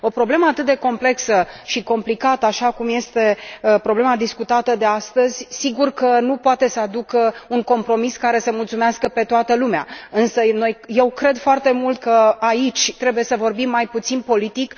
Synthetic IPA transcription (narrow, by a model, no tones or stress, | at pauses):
o̞pɾo̞ble̞məat̪ɨt̪̚d̪e̞ko̞mpleksəʃiko̞mplikat̪əaʃakumje̞st̪e̞pɾo̞ble̞mad̪iskut̪at̪əd̪e̞ast̪əzʲsiɡurkənupoat̪e̞səad̪ukəuŋko̞mpɾo̞miskaɾe̞səmult̪sumeaskəpe̞t̪oat̪əlumea̰ɨnsəno̞jje̞wkɾe̞d̪foart̪e̞mult̪̚kəait͡ʃʲt̪ɾe̞buje̞səvo̞rbimːajput̪sinpo̞lit̪ik